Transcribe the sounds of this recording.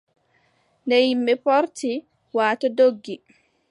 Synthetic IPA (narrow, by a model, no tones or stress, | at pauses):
nɛjimːɛpɔɾti | waːtɔdoɡːi